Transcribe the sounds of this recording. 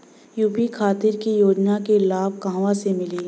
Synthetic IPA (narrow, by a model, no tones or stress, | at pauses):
juːpikʰaːt̪ɪɾkijoːd͡ʒnakelaːb̚kãɦʋasemɪliː